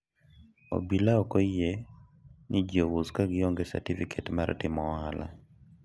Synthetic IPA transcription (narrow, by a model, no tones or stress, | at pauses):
o̰bilaɔkɔje | nid͡ʒowuskaɡɪoŋɡesa̰tifikʰetmartɪmɔːɦala̰